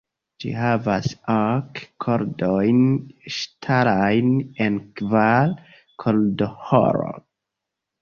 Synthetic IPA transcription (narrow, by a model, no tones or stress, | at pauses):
d͡ʒḭɦavasakʰːoɾdojnʃtʰaɾajnenkval | kʰoldoho̰ɾo̰